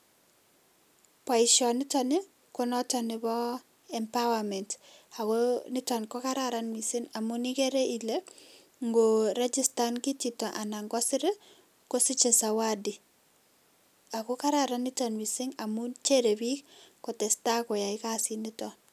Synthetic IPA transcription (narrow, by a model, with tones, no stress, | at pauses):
pa˨ɪʃɔ˨nɪ˦tɔni˦ | kɔ˦nɔ˦tɔ˨nɪ˨bɔ˦ | ɛmpawamɛ˨nta˨konɪ˦tɔ˨nkɔ˦ka˦ɾaɾa˦nwi˨sɪ˦ŋa˨mu˦nike˦ɾe˦ʔi˨le˦ | ŋɡo˨ɾɛ˦d͡ʒi˦sta˦nki˦ti˨tɔ˨ʔa˨na˨ŋɡɔ˦sɪ˦ɾe˦ | ko˦si˦t͡ʃe˨sa˨wa˦di˨ | a˨ko˦ka˦ɾaɾa˨ni˦tɔnwi˨sɪ˦ŋa˨mu˦t͡ʃe˦ɾe˨bi˦kkɔ˨tɛ˨sta˦kɔ˨ja˨ɪka˦sɪ˨ni˦tɔ